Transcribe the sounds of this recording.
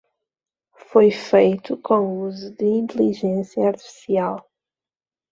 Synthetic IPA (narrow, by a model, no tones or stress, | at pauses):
fojfejt̪ukʰõuzud̪ɨĩnt̪eliʒẽsjɐːɾt̪i̥fi̥sial